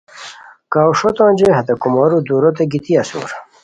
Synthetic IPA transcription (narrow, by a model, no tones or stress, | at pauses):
kawʂot̪õːnʲd͡ʑeɦɐt̪ɐkumɔɾud̪uːɾot̪eɡit̪iɐsṵɾ